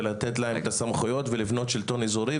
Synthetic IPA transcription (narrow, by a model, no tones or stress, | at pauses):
lat̪et̪laemet̪asamχujo̞t̪velivno̞t̪ʃilt̪o̞nizuɾi